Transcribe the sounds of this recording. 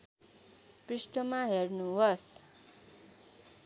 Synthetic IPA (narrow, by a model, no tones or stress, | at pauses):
prisʈʌmaɦernuɦʌs